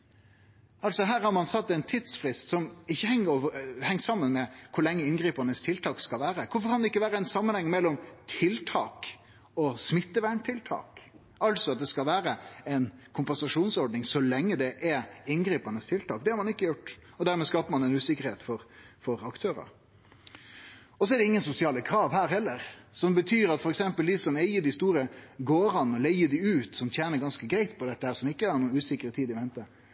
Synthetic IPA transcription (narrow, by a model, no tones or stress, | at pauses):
ɑlsɔɦæːɾhɑɾmɑnsɑt̪ːɛɪnt̪ʰiːd̪sfɾɪst̪sɔmɪçːəhɛŋːəɾoːʋəhɛŋːsɑmːənmɛkʰʊɾlɛŋːəɪnɡɾiːpɑnəst̪ʰɪlt̪ʰɑːkskɑlʋæːɾəkʰʊfɔɾkʰɑnd̪ɛɪkːəʋæːɾəɛɪnsɑmːənhɛŋːmɛlːɔmt̪ʰɪlt̪ʰɑːk | ɔsmɪt̪ːəʋæːɳt̪ʰɪlt̪ʰɑ̰ːk | ɑlt̪sɔɑt̪̚d̪ɛskɑlʋæːɾəɛɪnkʰʊmpɛnsɑʂuːnsɔɾɖɳɪŋsɔlɛŋːəd̪ɛʔɛɪnɡɾiːpɑnəst̪ʰɪlt̪ʰɑːk̚d̪ɛhɑɾmɑnɪkːəjʊʈːɔd̪æɾmɛskɑːpəmɑnɛɪnʉːsɪkːəɾheːt̪fɔɾfɔɾɑkt̪ʰøːɾɑ̰ɾ | ɔsɔɛd̪ɛɪŋːənsʊsɪɑːləkʰɾɑːʋhæːɾhɛlːəɾsɔmbət̪ʰyːɾɑt̪fɔɾɛksɛmpəld̪isɔmæɪəɖɪst̪uːɾəɡoːɾɑnːɔlæɪədɪʉːt̪sɔmt̪ʰjæːnəɾɡɑnskəɡɾæɪt̪pʰɔd̪ɛt̪ːəhæːɾʂɔmɪkːəæɾnuːnʉːsɪkːəɾət̪ʰiːd̪ɪʋɛnt̪ə